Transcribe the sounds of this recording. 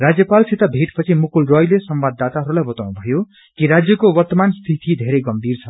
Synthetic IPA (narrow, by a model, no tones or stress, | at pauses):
rad͡zjʌpalsit̪abʱeʈpʌt͡sʰimukulrojlesʌmbad̪ːat̪aɦʌɾulajbʌt̪awnubʱʌjo | kiɾad͡zjʌkowʌrt̪ʌmanst̪ʰit̪ʰid̪ʱeɾʌjɡʌmbirt͡sʰʌ